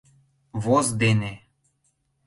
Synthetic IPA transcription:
βozd̪ene

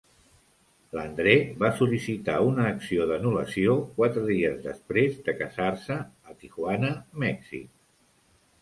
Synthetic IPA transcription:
lənd̪ɾeβasulisit̪a̰unəːksioðənulə̰siokwat̪ɾəðiəzðə̰spɾezðəkəzarsəːt̪ixwanəmɛksḭ

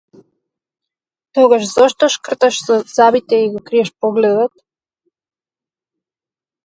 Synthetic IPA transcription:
t̪ɔɡaʃzɔʃt̪ɔʃkr̩t̪aʃzɔz̥abit̪ɛiɡɔkɾiɛʃpɔɡlɛd̪ɔt̪

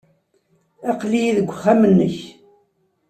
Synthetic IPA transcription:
æqlijiðəɡʷːχæmənːəç

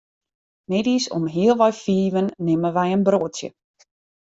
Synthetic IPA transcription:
mɛdisɔ̰mɦiəlˠʋɔjfiːʋənːɪməʋɛjənbroːtjə̰

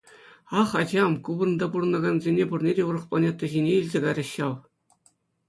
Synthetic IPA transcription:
ɑχɑd͡ʑɑmkubɤ̆r̆nd̪ɑpuɾɤ̆nɑɡɑnzʲenʲepurnʲedʲeurɤ̆χplˠɑnʲet̪ːɤ̆ʑʲinʲeilʲzʲeɡɑɾʲɑ̆ɕːɑlˠ

